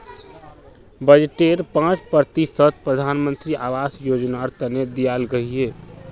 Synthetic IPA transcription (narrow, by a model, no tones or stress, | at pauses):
bəd͡ʒeʈeɾpãt͡ʃpəɾt̪isət̪̚ʰpɾəd̪ʱanmənt̪ɾiʔaʋasjod͡ʒnaɾt̪əned̪ijalɡəɦie